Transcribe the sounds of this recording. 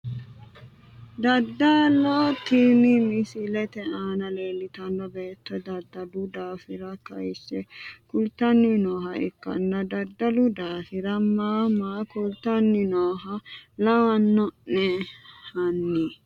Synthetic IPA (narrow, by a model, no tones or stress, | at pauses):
d̪ɐd̪ːɐlot̪iːmɪmɪsɪlɛt̪ɛaːnɐleːlːɪt̪ɐnːɔbeːt̪ːɔd̪ɐd̪ːɐlʊd̪aːfɪɾɐkɐjsːɛkʊlt̪ːɐnːɪnoːɦɐɛ̰kːɐ̰nːɐd̪ɐd̪ːɐlʊd̪aːfɪɾɐmaːmaːkʊlt̪ɐnːɪnoːɦɐlɐwɐnːɔnːɛhɐnːɪ